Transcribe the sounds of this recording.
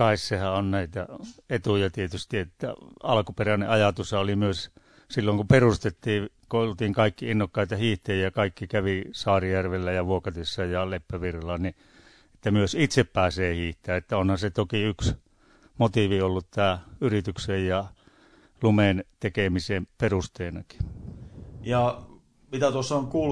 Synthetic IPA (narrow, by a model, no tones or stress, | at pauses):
kɑissehæonnæit̪æ̰et̪ujɑt̪iet̪yst̪iet̪ːæ̰ɑlkuperænḛʔɑjɑt̪usɑolimyøs | silːoŋkuperust̪et̪ːiːkoolt̪iːŋkɑikːiinːokːɑit̪ɑhiːht̪ejjɑkɑikːikæʋisɑːrijærʋelːæjɑʋuokɑt̪isːɑjɑlepːæʋirːɑlːɑni | e̥t̪ːæmyøsit̪seppæːseːhiːht̪eæːet̪ːæonhɑset̪okiyks | mot̪iʋiolːut̪t̪æːyrit̪yksejjɑ | lument̪ekemiseːmperust̪eːnɑki̥ | jɑ | mit̪æt̪uosːɑoŋkuːl